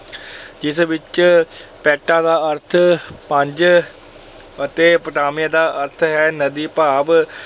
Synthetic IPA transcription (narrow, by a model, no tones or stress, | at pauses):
d͡ʒɪsbɪt͡ʃpɛːʈãːd̪aːəɾt̪ʰpə̃ɲd͡ʒ | ət̪eːpəʈaːmɪjãːd̪aːʔəɾt̪ʰɦɛːnəd̪iːpaːb